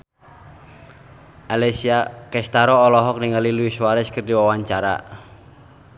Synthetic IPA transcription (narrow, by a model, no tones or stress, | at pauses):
ʔalɛsiakɛst̪aɾɔːlɔɦɔk̚niŋaliluiswaɾɛskərdiwawaɲt͡ʃaɾa̰